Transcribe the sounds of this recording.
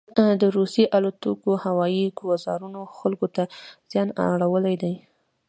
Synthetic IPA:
d̪əɾusjeʔalat̪ukohawɑjiɡwazɑ̰ɾunoxalɡot̪az̥jɑna̰ɽawəlajd̪aj

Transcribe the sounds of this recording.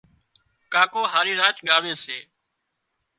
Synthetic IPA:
kaːkoːɦaːɾiːɾaːt͡ʃɠaːʋeːseː

